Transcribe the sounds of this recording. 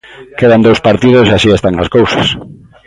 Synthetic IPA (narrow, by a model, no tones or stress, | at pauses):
keðand̪owspaɾt̪ið̞ʊseaʃiest̪aŋaskowsḁs